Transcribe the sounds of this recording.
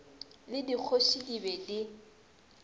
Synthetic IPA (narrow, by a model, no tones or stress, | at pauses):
lɪdik͡xʰosidibɛdɪ